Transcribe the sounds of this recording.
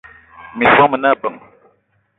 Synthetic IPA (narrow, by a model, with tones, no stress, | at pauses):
mi˨swa˦mə˨na˦˨bə˨ŋ